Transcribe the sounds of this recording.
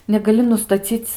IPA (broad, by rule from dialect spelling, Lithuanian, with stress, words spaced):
nʲɛɡɐˈlʲɪ nʊstɐˈt͡sʲiːt͡s